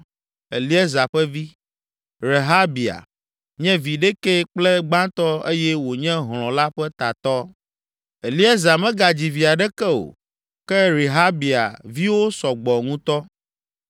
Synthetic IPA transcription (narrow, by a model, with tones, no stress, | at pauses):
e˨li˦ɛ˦za˨ɸɛ˦vi˦ | ɾe˨ɦa˦bi˨a̰˨ | ɲɛ̃˦vi˨ɖɛ˦kɛ˦k͡plɛ˦ɡ͡bã˦t̪ɔ˦e˦jɛ˦wo˨ɲɛ̃˦ɦl̃ɔ̃˨la˦ɸɛ˦t̪a˨t̪ɔ˦ | e˨li˦ɛ˦za˨mɛ̃˦ɡa˨d͡ʑi˨vi˨a˨ɖɛ˦kɛ˦o̰˨ | kɛ˦ɾe˨ɦa˦bi˨a̰˨vi˦wo˦sɔ˨ɡ͡bɔ˨ŋũ˦t̪ɔ˦